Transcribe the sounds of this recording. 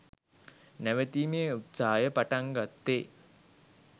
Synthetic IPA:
næʋət̪iːmeːut̪saːjəpaʈaŋɡat̪ːe

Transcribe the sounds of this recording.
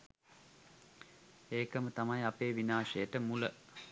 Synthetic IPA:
eːkəmət̪amajapeːʋinaːʂəjəʈəmulə

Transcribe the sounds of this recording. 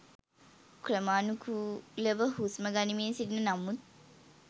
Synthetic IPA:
kɾəmaːnukʰuləʋəɦusməɡanimiːnsidnənamut̪̚

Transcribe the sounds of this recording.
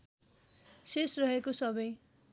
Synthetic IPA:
sesrʌɦekosʌbʌj

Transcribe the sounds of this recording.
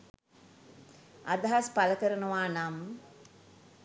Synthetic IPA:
ad̪aɦaspaləkəɾənəʋaːnam

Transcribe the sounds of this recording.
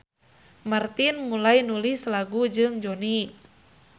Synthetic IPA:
mart̪inmulajnulislaɡud͡ʒɨŋd͡ʒoni

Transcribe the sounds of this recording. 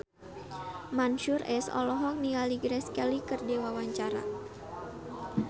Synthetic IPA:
manʃurɛsɔ̰lɔɦɔk̚nialiɡɾɛskɛlikɨrdewawaɲt͡ʃaɾa̰

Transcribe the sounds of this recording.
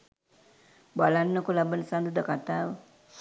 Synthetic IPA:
balanːəkulabənəsand̪ud̪əkat̪aːʋ

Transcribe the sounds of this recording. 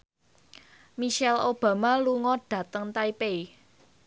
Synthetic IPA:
miʃɛlob̥ä̤maluŋɔɖ̥ä̤t̪əŋt̪aipei

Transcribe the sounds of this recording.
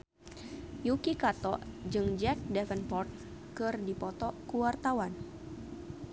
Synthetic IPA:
jukikat̪ɔʔd͡ʒɨŋd͡ʒɛk̚dɛfənpɔrt̪̚ | kɨrdipɔt̪ɔkuwart̪awan

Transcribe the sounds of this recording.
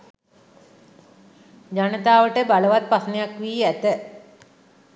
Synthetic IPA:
d͡ʑanət̪aːʋəʈəbaləʋat̪̚pasnejakʋiːæt̪ə

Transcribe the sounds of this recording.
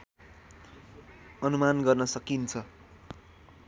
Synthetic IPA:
ʌnumanɡʌrnʌsʌkint͡sʰʌ

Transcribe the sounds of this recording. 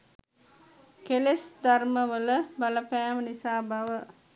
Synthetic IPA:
kelesd̪arməʋələbaləpæːmənisaːbaʋə

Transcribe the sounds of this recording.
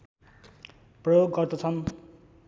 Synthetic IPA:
prʌjoɡːʌrt̪ot͡sʰʌn

